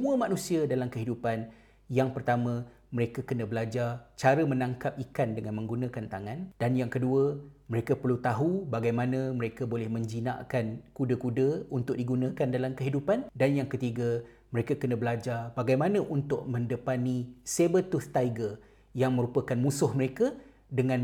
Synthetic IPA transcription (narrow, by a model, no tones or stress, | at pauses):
səmuəmãnũsiadalamkəɦidupan | jaŋpərt̪amã | məɾekakənãbəlad͡ʒart͡ʃaɾəmənãŋkap̚ikandəŋanmə̃ŋɡunãkant̪aŋand̥anjaŋkəduəməɾekapərlut̪aɦubaɡajmãnə̃məɾekabolɛhmə̃ɲd͡ʒina̰ʔkankudəkudəunt̪ʊk̚diɡunãkandalamkəɦidupandanjaŋkət̪iɡa | məɾekakənə̃bəlad͡ʒabaɡajmanə̃ʔunt̪ʊʔ̚mə̃ndəpanĩsebət̪ust̪aiɡər | jaŋmə̃ɾupəkanmũsʊhməɾeka | dəŋãn